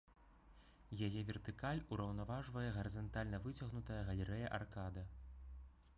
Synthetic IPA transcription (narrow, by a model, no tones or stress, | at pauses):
jajɛvʲɛrt̪ɨkalʲuɾɐwnavaʐvɐjɛɣɐɾɨzɐnt̪alʲnɐvɨt͡sʲɐɣnut̪ɐjɐɣɐlʲɛɾɛjɐʔarkad̪ɐ